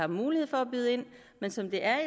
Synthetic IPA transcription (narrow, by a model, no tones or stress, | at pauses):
ɑ̈muːliheð̰ˠfɒ̽æb̥yːð̞ˠəe̝n̰ | mensɒ̽md̥e̝ʔæɐi